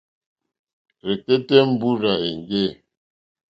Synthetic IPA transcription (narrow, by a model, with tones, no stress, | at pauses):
ɾe˨ke˦tɛ˦m̩˦bu˦ɾa˨e˨ŋ˨ɡe˦˨